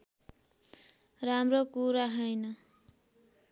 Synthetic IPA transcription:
ramrokuɾaɦʌjnʌ

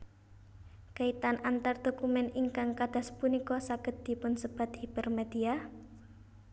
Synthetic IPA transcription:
kait̪anʔant̪ard̪̥o̤kumɛniŋkaŋkad̪̥a̤spunikɔsaɡət̪̚d̪̥i̤pʊnsəb̥a̤t̪̚hib̥ərmed̪̥ia

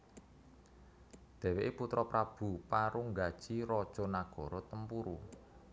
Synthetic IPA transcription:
d̪̥ɛ̤weʔeput̪ɾɔpɾab̥ṳpaɾuŋɡad̥ʒ̥iɾɔd̥ʒ̥ɔ̤naɡ̥ɔ̤ɾɔt̪əmpuɾu

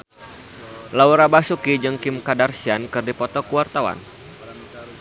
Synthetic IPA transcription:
lawuɾabasukid͡ʒɨŋkɪmkadarsiankɨrdipɔt̪ɔkuwart̪awa̰n

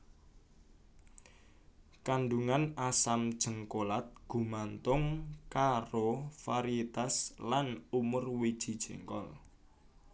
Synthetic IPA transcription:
kanɖuŋanasamd̥ʒ̥ə̤ŋkolat̪̚ɡ̥ṳmant̪ʊŋkaɾofaɾiet̪aslanumʊrwid̥ʒ̥i̤d̥ʒ̥e̤ŋkɔ̰l

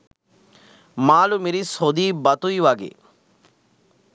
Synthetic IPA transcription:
maːlumiɾishod̪iːbɐt̪ujʋaɡḛ

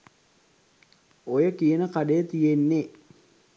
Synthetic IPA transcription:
ojəkijənəkaɖejət̪ijenːe

